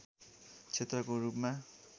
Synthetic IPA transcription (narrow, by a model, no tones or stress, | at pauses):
t͡sʰet̪rʌkoɾupma